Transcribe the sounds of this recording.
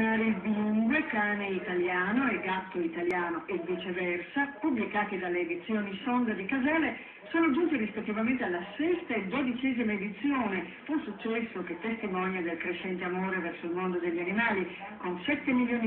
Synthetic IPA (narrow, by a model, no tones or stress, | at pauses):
naːɾeilb̪iluŋɡwekaːneit̪aljaːnoeɡːat̪ːoit̪aljaːnoʔed̪it͡ʃevɛrsapublikaːt̪id̪alːeːd̪it̪sːjoːnisɔnd̪ad̪ikazɛːle | soːnod͡ʒunt̪iɾispet̪ːivament̪ealːasɛst̪aed̪od̪it͡ʃɛːzimaed̪it̪sːjoːnefusːut͡ʃːɛsːok̟et̪ːest̪imɔnjad̪elkɾeʃːɛnt̪eamoːɾevɛrsoilmond̪od̪eʎːanimaːli | konsɛt̪ːemiljoːni